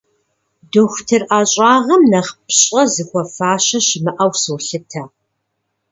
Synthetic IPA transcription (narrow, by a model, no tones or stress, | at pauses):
doxʷtʰɨrʔaːɕʼɑːʁɐmnɐχpʰɕʼɐzɨxʷɔfaːɕɐɕɪmɨʔɐwsɨwɬɨtʰɐ